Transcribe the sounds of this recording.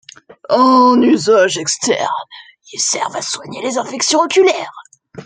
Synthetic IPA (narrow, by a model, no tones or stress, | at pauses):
ɑ̃nyzaʒɛkst̪ɛ̰ʁn | ilsɛ̰ʁvaswaɲelezɛ̃fɛksjɔ̃ɔkʲylɛːʁ